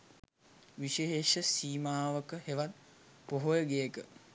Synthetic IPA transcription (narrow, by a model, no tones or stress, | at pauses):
ʋiʃeɦeːʃəsiːmaːʋəkəheʋat̪̚ | poɦojəɡejəkə